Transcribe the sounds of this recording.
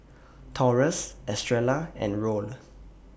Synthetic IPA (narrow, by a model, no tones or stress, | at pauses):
tʰɔɹəsɛstɹɛlaɛ̰̃nɹol